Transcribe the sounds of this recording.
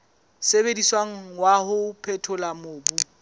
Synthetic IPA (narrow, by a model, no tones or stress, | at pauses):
sebediswaŋ̩wahʊpʰɛtʰʊlamʊːbu